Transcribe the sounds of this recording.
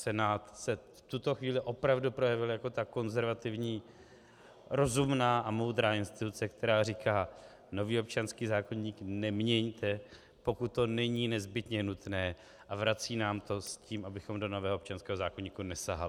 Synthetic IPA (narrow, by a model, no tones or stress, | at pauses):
sɛnaːt̪sɛft̪ut̪o̞xviːlɪʔo̞pɾavdupɾo̞jɛvɪljako̞t̪ako̞nzɛɾvat̪ɪvɲiː | ɾo̞zumnaːʔamo̞wd̪ɾaːɪnst̪ɪt̪ut͡sɛkt̪ʰɛɾaːrikaː | no̞viːop̚t͡ʃanskiːzaːko̞ɲiːknɛmɲɛɲt̪ɛ | po̞kut̪ːo̞nɛɲiːnɛzbɪt̪ɲɛnut̪nɛː | ʔavɾat͡siːnaːmt̪o̞sciːmʔabɪxo̞mdo̞novɛːɦop̚t͡ʃanskɛːɦozaːkoɲiːkunɛsaɦalɪ